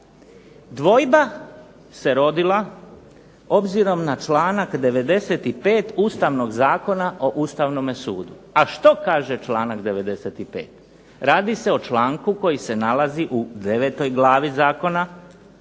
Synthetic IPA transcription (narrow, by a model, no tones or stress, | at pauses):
d̪ʋo̞jba | se̞ɾo̞d̪ilˠa | o̞bziɾo̞mnat͡ʃlaːnakd̪e̞ʋe̞d̪e̞se̞t̪ipe̞ːt̪uːst̪aʋno̞ɡzaːko̞naʔo̞ʔuːst̪aʋnomesuːd̪u | aʃt̪o̞kaːʒe̞t͡ʃlˠaːnakd̪e̞ʋe̞d̪e̞se̞t̪ipḛːt̪ | ɾaːd̪ise̞o̞t͡ʃlaːŋkuko̞jise̞nalaziʔud̪e̞ʋet̪o̞jɡlaːʋizaːko̞na